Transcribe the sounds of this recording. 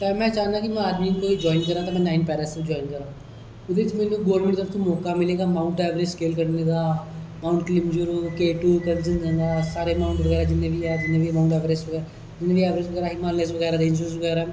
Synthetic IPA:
t̪ɛmɛ̃ːt͡ʃaːnakimɛ̃aːd̪miːnkoːid͡ʒɔːɪnkɐɾaːt̪amɛ̃ːnaːɪnpɛːɾasebid͡ʒɔːɪnkɐɾaː | ʊd̪ɪt͡ʃmeːnũɡoːɾmẽɳʈt̪ɾəbt̪omɔːkamɪleːɡamaːʊ̃ɳʈɛːʋɾeːskeːlkəɾneːɡaːmaːʊ̃ɳʈklɪmd͡ʒuɾukeːʈuːkənsənd͡ʒẽɡ̪aːsaːɾemaːʊɳʈʋɐɣɛːɾad͡ʒɪnːẽbʱiad͡ʒɪnːẽːbʱimaːʊɳʈɛːʋɾeːsʋəɡɛɾ | d͡ʒɪnːẽːbiɛːʋɾeːsʋəɣɛːɾaːɦɪmaːllesʋəɡɛːɾaːd̪ɪnd͡ʒuːsbɣɛːɾa

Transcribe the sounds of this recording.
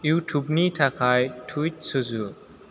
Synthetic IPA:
jutʰubnitʰakʰajtʰujt̚suzu

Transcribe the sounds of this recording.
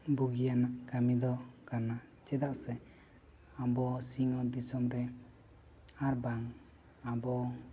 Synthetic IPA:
buɡijanaʔkamid̪ɔkana | t͡ʃɛd̪aʔsɛ | abɔsiŋɔd̪isɔmɾɛ | aɾbaŋ | abɔ

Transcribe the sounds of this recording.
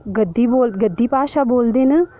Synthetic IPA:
ɡəd̪ːiːboːlɡəd̪ːiːpaːʃaːboːld̪eːnə

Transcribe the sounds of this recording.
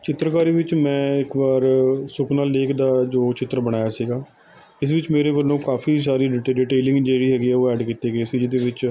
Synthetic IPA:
t͡ʃɪt̪ɾəkaːɾiːʋɪt͡ʃmɛ̃ːɪkbaːɾsʊkʰnaːleːkʰd̪aːd͡ʒoːt͡ʃɪt̪ːɾəbəɽ̃aːjaːsiːɡaː | ɪsʋɪt͡ʃmeːɾeːbəlːõːkaːpʰiːs̬aːɾiːɖiːʈeːlɪ̃ŋɡd͡ʒeːɽiːɦɛːɡiːɛːoːɛːɖkiːt̪eːɡəeːsiːd͡ʒɪd̪eːʋɪt͡ʃ

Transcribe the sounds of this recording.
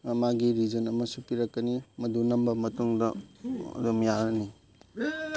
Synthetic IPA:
ɐmaɡiɾizɐnɐmɐsupiɾɐkːɐnimɐdunɐmbɐmɐtuŋdɐɐ̰domjaɾɐni

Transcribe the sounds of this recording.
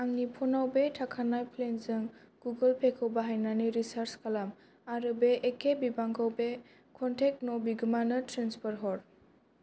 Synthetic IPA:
aŋnipʰɔnawbetʰakʰanajpʰlenzɯŋ | ɡ̥uɡɯlpʰekʰɯwbaɦajnaniɾisaɾskʰalam | aɾɯbeʔːkʰebibaŋkʰawbe | kʰɔntʰek̚tnɔbiɡɯmanɯtɾanspʰɔɾɦɔɾ

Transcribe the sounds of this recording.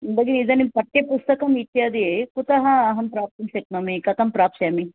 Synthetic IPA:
ɐnd̪ɐɡinid̪ɐnimpɐʈːjepust̪ɐkɐmit̪ːjaːd̪ikut̪ɐɦɐːɦɐmpɾaːp̚t̪imsek̪mɐmikɐt̪ɐmpɾaːpʃjami

